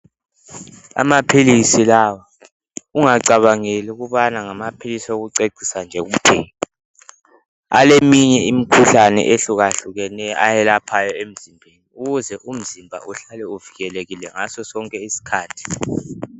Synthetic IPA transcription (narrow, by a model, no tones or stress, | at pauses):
a̰mapʰilisilawa | uŋaǀaβaŋeliuɣuβanaŋamapʰilisioɣuǀeǀʱisand͡ʒʱɛɣumtʰɛ̰ːɔ | a̰lemiɲɛim̩kʰuɬanɛ̰ʔeɬuɣaɬuɣɛnɛjɔʔajɛlapʰajɔem̩zimbʱeniuɣuzɛʔum̩zimbʱa̰ʔuɬalɛuviɣɛleɣilɛŋasɔsɔŋkʼɛisi̥kʰaːtʰi̥